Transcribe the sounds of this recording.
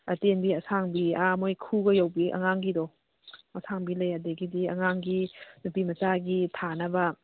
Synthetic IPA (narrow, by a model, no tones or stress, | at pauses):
ɐtenbiɐsʰaŋbiamojkʰuɡɐjawbiʔɐ̰ŋaŋɡidɔ | ɐsʰaŋbilɐjadeɡidiɐ̰ŋaŋɡinupimɐt͡ʃaɡitʰanɐbɐ